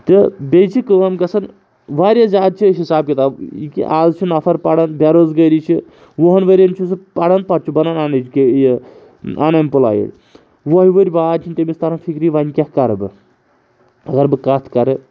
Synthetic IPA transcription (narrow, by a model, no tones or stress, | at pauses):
t̪ɨbʲejt͡ʃʰikɨʋɐmɡɐsɐn | ʋaːɾʲjazʲaːd̪̚t͡ʃʰiɦisaːb̚kʲit̪aːḭkḭʔa̰ːzt͡ʃʰunɐfʰɐɾpɐɽɐnbʲaɾozɡɐɾʲit͡ʃʰi | ʋoɦɐnʋɐɾʲɐnt͡ʃʰus̬ɨpɐɽɐnpɐʈ̚t͡ʃʰubɐnananɐt͡ʃʰkʲej | a̰nɐmʲpula̰ːjḭɾʲ | ʋoɦiʋəɾʲbaːd̪t͡ʃʰinʲt̪emʲist̪ɐɾɐnfʰikɾiʋanʲkʲahkɐɾɨbɨ | ɐɡɐɾbɨkɐt̪ʰkɐɾɨ